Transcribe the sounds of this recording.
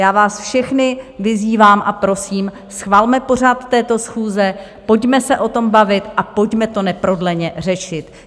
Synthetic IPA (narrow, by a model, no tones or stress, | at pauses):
jaːvaːsfʃɛxnɪvɪziːvaːmʔapɾo̞siːm | sxvalmɛpo̞r̝at̪ːɛːt̪o̞sxuːzɛ | po̞cmɛsɛʔo̞t̪o̞mbavɪt̪ʔapo̞cmɛt̪o̞nɛpɾo̞dlɛɲɛr̝ɛʃɪt̪